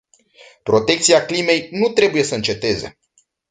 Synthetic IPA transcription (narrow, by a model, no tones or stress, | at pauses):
pɾo̞t̪e̞k̚t̪siaklime̞jnut̪ɾe̞buje̞səɨnt͡ʃe̞t̪e̞ze̞̰